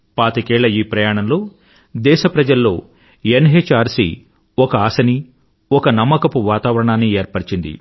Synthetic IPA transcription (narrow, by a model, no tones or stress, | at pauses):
paːt̪ɐkɛːɭːɐiːpɾɐjaːɳɐmlo̞ː | d̪ɛːʃɐpɾɐd͡ʒɐlːo̞ː | enɦeːt͡ʃaːɾsḭ | ɔkɐaːsɐni | ɔkɐnɐmːɐkɐpuʋaːt̪aːʋɐɾɐɳaːnːieːɾpɐɽt͡ʃind̪ḭ